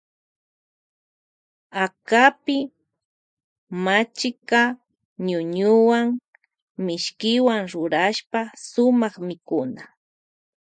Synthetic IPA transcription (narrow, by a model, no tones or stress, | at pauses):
akapɪ | mat͡ʃɪka | ɲʊɲʊwaŋ | mɪʃkɪwaŋɾʊɾaʃpasʊmɑχmɪkʊna